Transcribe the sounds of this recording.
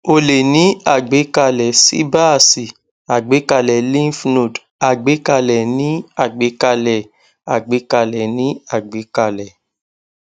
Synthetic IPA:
o˧˨le˨nĩ˨˦a˦˨ɡ͡be˨˦ka˧lɛ˨sḭ˦ba˦˨si˨ | a˨ɡ͡be˨˦ka˧lɛ˨lĩ˦fno˨d | a˨ɡ͡be˨˦ka˧lɛ˨nĩ˦a˦˨ɡ͡be˨˦ka˧lɛ˨ | a˨ɡ͡be˨˦ka˧lɛ˨nĩ˨˦a˦˨ɡ͡be˨˦ka˧lɛ˨

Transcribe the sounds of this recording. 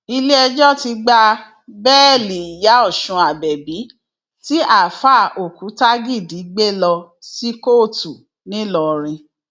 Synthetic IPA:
i˧le˦ɛ˧d͡ʒɔ˦ti˧ɡ͡ba˧ | bɛː˦˨li˨i˨ja˨˦ɔ˦˨ʃũ˧a˨bɛ˨bi˨˦ | ti˦ʔa˦˨fa˦˨o˨ku˨˦ta˦ɡi˦˨di˨˦ɡ͡be˦lɔ˧ | si˦ko˦˨tu˨ | nĩ˦lɔ˧ɾ̃ĩ˧

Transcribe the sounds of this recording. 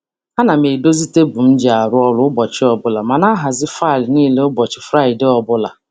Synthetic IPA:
a˦na˨me˨do˦zi˦te˦bʊ˨m̩˦d͡ʒi˨a˨ɾʊ˦ɔ˦lʊ˦ʊ˦bɔ˨t͡ʃɪ˦ɔ˦bʊ˦la˨ma˨na˦ɦa˨zɪ˦fa˦˨lniː˦le˦ʊ˦bɔ˨t͡ʃɪ˨fɾa˦˨ɪ˨dɪ˦ɔ˦bʊ˦la̰˨

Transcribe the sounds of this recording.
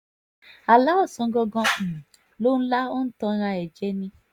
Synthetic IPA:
a˨la˨˦ɔ˦˨sɔ̃˨˧˦ɡɔ˧ɡɔ̃˧˨ | lo˦ñ̩˦la˦o˦n̩˦tɔ̃˧˦˧ɾ̃ã˧ɛ˨d͡ʒɛ˨˦nĩ˧

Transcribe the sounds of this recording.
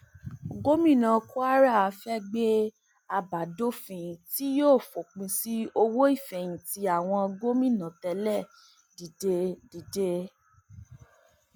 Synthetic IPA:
ɡo˦mĩ˦˨nã˨˧ku˦a˦ɾa˦˨a˨˧fɛ˦ɡ͡be˦ | a˧ba˨do˦fĩ˧˨ti˦joː˦˨fo˨k͡pĩ˧si˦o˧wo˦i˦˨fɛ˨j̃ĩ˨ti˧a˨w̃ɔ̃˧ɡo˦mĩ˦˨nã˨tɛ˧lɛ˦˨ | di˨de˧di˨de˦

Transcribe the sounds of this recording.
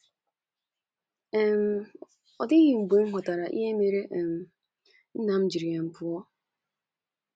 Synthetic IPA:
m̩˦ | ɔ˨dɪ˦ɣi˨ŋ͡m̩˨ɡ͡be˨ŋ̩˦ɦɔ˨ta˨ɾa˨ʔḭ˦ɦe˦me˨ɾe˦ʔm̩˨ | n̩˦na˨m̩˦d͡ʒi˨ɾi˨a˨m̩˨pʊ˨ɔ˦

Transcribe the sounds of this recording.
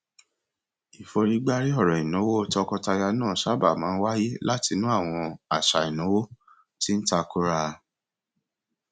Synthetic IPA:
i˨fo˧ɾi˦ɡ͡ba˦ɾi˦ɔ˦˨ɾɔ̃˨i˨nõ˨˦wo˦o˦˧tɔ˧kɔ˧ta˧ja˧nãː˦˨ʃa˦ba˨mãː˨˦wa˦ji˦la˦ti˧nũ˦a˦˨w̃ɔ̃˧a˦˨ʃa˨i˨nõ˨˦wo˦ | ti˦n̩˦ta˧ku˦ɾa˧

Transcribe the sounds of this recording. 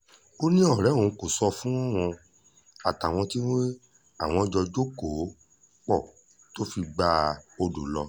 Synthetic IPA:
o˦nĩ˦ɔ˦˨ɾɛ˨˦˨ũ˨˧ko˨sɔ˧fũ˦w̃ɔ̃˧ | a˨ta˨w̃ɔ̃˧ti˦we˦ | a˦˨w̃ɔ̃˧d͡ʒɔ˧d͡ʒo˦ko˨˦ | k͡pɔ̰˦˨ | to˦fi˧ɡ͡ba˧˦o˧do˨lɔ˧

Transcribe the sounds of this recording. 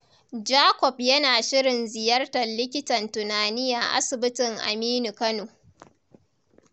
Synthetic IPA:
d͡ʒaː˦kʷɔ˨pjɐ˦naː˨ʃɪ˦ɽɪ˨nzɪ˨jɐ˦rtɐ˨nlɪ˦k̬ʲɪ˦tɐ˨ntʊ˨naː˨nɪ˦jaː˨ʔa̰˦sɪ˨bɪ˦tɪ˨ŋʔa̰˨miː˦nu˨kɐ˦noː˨

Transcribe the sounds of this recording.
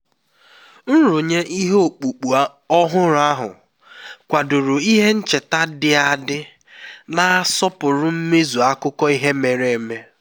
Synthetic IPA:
n̩˦ɾu˨ɲe˦ʔi˦ɦe˦o˨k͡pu˨k͡pu˨a˦ | ɔ˦ɦʊ˦ɾʊ˨a˦ɦʊ̰˨ | kʷa˨dʊ˨ɾʊ˨i˦ɦe˦n̩˦t͡ʃe˨ta˦dɪ˨˦a˨dɪ˦ | na˨a˦sɔ˦pʊ˨ɾʊ˦m̩˦me˦zu˨a˦kʊ˦kɔ˦i˦ɦe˦me˨ɾe˨e˨me˦

